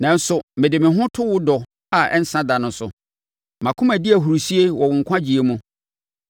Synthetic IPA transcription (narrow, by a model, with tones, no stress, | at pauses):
nã˨n̩˦sʊ˨mɪ̃˨dɪ˨mɪ̃˨ɦʊ̃˦tʰʊ˦wʊ˦dɔ˨ | a˨ɛ̰˦n̩˦sã˦da˨nʊ̃˦sʊ̰˨ | mã˨kʰʊ̃˦mæ˨dɪ˦æ˨ɦu˨ɾu˨si˦e˦wɔ˨wʊ̃˨ŋ̩˨kʷʰã˦d͡ʑi˨e˦mũ˦